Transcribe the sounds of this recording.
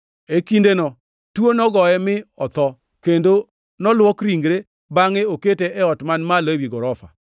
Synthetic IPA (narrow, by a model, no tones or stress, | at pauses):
ekindenɔ | twonɔɡɔɛmɪɔt̪ɔ | kendo | nɔlwɔkɾiŋɡɾe | baŋɛoketeʔɛɔtmanmalewiɡɔɾɔfa̰